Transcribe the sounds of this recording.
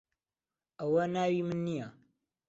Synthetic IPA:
əwɐnaːwimɨnːija

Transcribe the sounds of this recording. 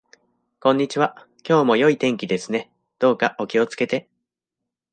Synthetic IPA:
kõ̞ɲ̟ːit͡ɕiβ̞a | kʲo̞ːmo̞jo̞it̪ẽ̞ŋkʲid̪e̞sɨne̞ | d̪̥o̞ːkaʔo̞kʲio̞t͡sɨ̥ke̞t̪e̞

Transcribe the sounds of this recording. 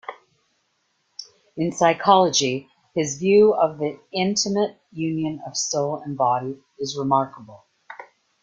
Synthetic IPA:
ɨ̃nsaɪkʰɑlˠəd͡ʒi | ɨzvjʉʌvðiɪ̃ntʰɨmɨt̚jʉ̃njɨ̃nʌv̥soʊlˠə̃nbɑɾi | ɨzɹəmɑɹkəbl̩ˠ

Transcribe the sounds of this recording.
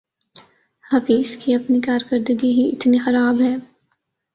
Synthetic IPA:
hɐfiːzkiɐpnikaːɾkɐɾd̪əɡiɦiɪ̰t̪nixɐɾaːbɦɛː

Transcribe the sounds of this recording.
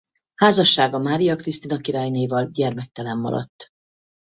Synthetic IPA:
haːzɒʃːaːɡɒmaːɾijɒkrist̪inɒkiɾɒjneivɒlɟɛrmɛk̚t̪ɛlɛmːɒ̰ɾɒ̰t̪ː

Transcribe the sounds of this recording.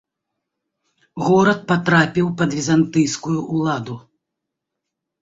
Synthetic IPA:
ɣɔɾɐt̪̚pat̪ɾapʲiwpɐd̪vʲizant̪ɨjskujuʔulˠad̪u

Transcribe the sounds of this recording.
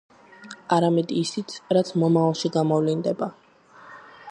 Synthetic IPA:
aɾamɛd̪iːsit̪sʰɾat̪sʰmɔmaalˠʃiɡamɔvlind̪ɛba

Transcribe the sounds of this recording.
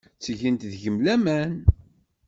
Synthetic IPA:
t͡sːʝənt̪ðʝəmlæmæn

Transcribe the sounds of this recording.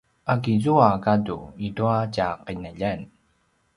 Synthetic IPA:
ʔaɡizuakadṵiduacaqənəʎan

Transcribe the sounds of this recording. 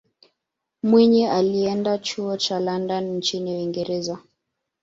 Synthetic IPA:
mwiɲɛaliɛndat͡ʃuɔt͡ʃalandanin̩t͡ʃiniwiŋɡɛɾɛza

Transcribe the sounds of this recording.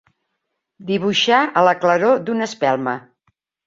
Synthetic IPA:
d̪iβ̞uʃaʔələkləɾod̪unəspɛlˠmə

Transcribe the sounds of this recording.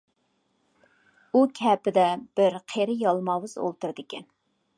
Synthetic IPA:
ukʲʰɛpɪd̪ɛb̥ɪɾqʰeɾɪjɑlˠmɑwɨz̥o̰lˠt̪uɾɨd̪ɨkʲɛn

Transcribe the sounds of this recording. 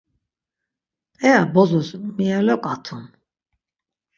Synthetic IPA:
ɛabɔzusmialɔkʼat̪ʰun

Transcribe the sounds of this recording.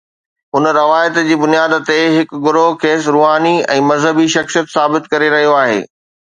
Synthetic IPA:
ʊnɾɐʋaːjət̪d͡ʑiːbʊnijaːd̪t̪eɦɪkɡʊɾoɦkʰeːsɾuːɦaːniɛ̰̃ːmɐzɦəbiʃɐxsijət̪saːbɪt̪kɐɾeɾɐɦijoaːɦḛː

